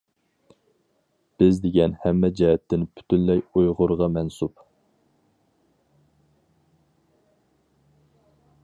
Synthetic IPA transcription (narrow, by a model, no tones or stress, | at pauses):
b̥ɪzd̪eɡʲɛnhɛmːɛd͡ʒɛɦɛt̪ʰːɪnpʰy̥t̪ʰynlɛjujʁʊɾʁɑmɛnsup